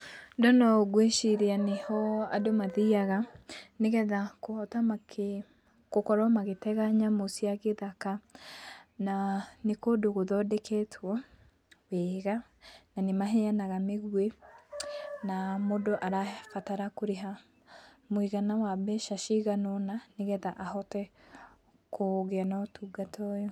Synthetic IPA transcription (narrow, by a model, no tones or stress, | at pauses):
ndɔnɔɣweʃiɾeanehɔadomaðiaɣaneɣɛðakoɔtamakʰe | kokɔɾɔmaɣetɛɣaɲamosiaɣeðaka | nanekodoɣoðɔdɛkʰɛtʰwɔ | wɛɣa | nanemaɦeanaɣameɣwe | namodoʔaɾakataɾakoɾeɦa | moiɣanawabɛʃaʃiɣanɔnaneɣɛðaʔahɔtɛ | kʰoɣeanɔtuɡatʰɔjɔ